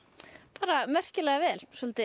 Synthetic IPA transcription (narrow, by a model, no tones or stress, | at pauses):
paːɾamɛr̥cɪlɛɣavɛːlsɔlt̪ɪ